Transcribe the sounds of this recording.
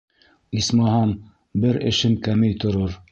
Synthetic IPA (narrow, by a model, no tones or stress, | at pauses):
ismɑɦɑn | bɘɾɘ̆ʃɘmkæmɘjt̪ŏɾoɾ